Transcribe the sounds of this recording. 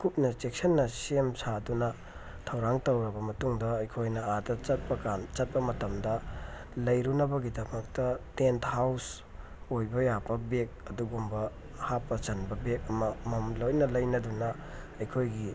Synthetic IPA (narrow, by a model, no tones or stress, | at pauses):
kup̚nɐt͡ʃek̚sɐnːɐsemsadunɐ | tʰɐwɾaŋtɐwɾɐbɐmɐtuŋdɐːjkʰojnɐadɐt͡ʃɐt̚pɐkant͡ʃɐt̚pɐmɐtɐmdɐ | lɐjɾunɐbɐɡidɐmɐk̚tɐtenthaws | ojbɐjabɐbek̚ɐduɡumbɐ | hapːɐt͡ʃɐnbɐbek̚ɐmɐmɐmlojnɐlɐjnɐdunɐ | ɐjkʰojɡi